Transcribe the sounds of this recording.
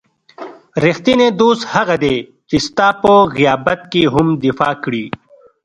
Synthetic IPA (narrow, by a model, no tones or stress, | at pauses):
ɾixt̪ined̪uːshɐɣɐd̪eː | t͡ɕist̪aːpoɣijaːbɐt̪̚kiɦumd̪ifaːkɽiː